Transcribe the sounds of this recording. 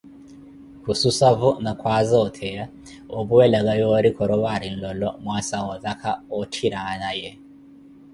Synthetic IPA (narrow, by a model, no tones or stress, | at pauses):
hususavunakʰwazaɔtʰɛja | ɔβuwɛlaɣajɔɾikʰɔɾɔβaɾin̩lɔlɔmwasawɔðakʰaɔtʰiɾanajɛ